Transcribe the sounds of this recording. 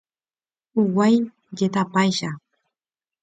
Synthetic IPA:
ʊwaj | ɢet̪apajʃa

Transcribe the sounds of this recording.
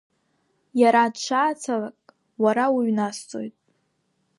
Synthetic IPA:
jaɾadʂʰʷaːt͡sʰalakʼ | waɾawiɥnast͡sʼo̞̰jtʼ

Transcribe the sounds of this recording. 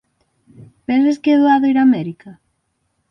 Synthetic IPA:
benseskeðoaðejɾameɾika

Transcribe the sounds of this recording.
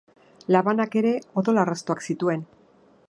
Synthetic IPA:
laβanake̞ɾe̞o̞ðo̞larast̪oaksit̪ue̞n

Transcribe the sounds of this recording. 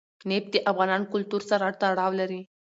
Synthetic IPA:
nep̚t̪iʔafɣanankult̪uɾt͡saɾaʈt̪aɽaʋləɾi

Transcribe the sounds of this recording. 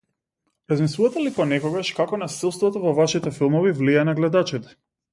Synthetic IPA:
ɾazmislˠuvat̪ɛlipɔnɛkɔɡaʃkakɔnasɛlˠst̪vɔt̪ɔvɔvaʃit̪ɛfilˠmɔvivlianaɡlɛd̪at͡ʃit̪ɛ̥

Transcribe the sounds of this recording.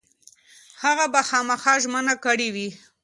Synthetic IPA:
haɣabaxɑmaxɑʒmənakəɽiwi

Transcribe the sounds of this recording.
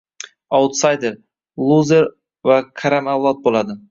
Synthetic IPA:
awt̪sajd̪eɾ | lˠuzeɾ | vakʰaɾamavlˠɒt̪̚bolad̪ɪ

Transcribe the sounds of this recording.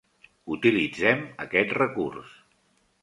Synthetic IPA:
ut̪ilid͡zɛməkɛt̪rəkurs

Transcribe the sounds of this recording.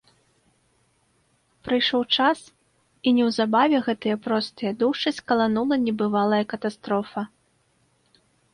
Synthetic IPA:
pɾɨjʂɔwt͡ʂas | inʲɛwzabavʲɛɣɛt̪ɨjɐpɾɔst̪ɨjɐd̪uʂɨsʲkɐlˠanulˠɐnʲɛbɨvalˠɐjɐkɐt̪ast̪ɾɔfɐ

